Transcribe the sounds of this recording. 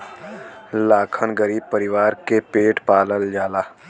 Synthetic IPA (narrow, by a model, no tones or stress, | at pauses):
laːkʰənɡəɾiːb̚pəɾɪʋaːɾkepeːʈpaːləld͡ʒaːlaː